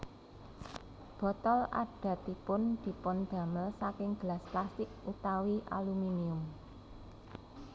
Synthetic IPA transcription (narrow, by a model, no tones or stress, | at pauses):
b̥ɔ̤t̪ɔla̰ɖ̥ä̤t̪ipʊnd̪̥i̤pʊnd̪̥ä̤məlsakɪŋɡ̥əlasplast̪ɪk̚ut̪awiʔa̰luminiʊm